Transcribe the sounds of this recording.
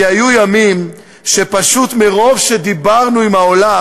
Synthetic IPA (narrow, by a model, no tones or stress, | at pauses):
ajujamim | ʃepaʃut̪meʁo̞vʃe̞d̪ibaʁnuimhaola